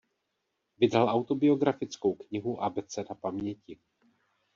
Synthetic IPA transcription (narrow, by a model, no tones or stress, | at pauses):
vɪdɾalʔawt̪o̞bɪo̞ɡɾafɪt͡sko̞wkɲɪɦuʔabɛt͡sɛdapamɲɛcɪ